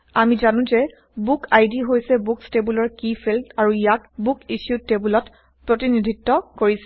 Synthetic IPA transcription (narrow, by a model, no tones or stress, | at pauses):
amizanʊ̃zɛ | bukʰajdiɦojsɛbukstebulɔɹkifʰeltaɹuijakbukiʃjutebulɔt | pɹotinidʱitːɔkoɹis